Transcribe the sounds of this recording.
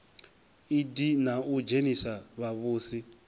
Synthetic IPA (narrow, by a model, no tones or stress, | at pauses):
idinaud͡ʒenisaβaβuːsi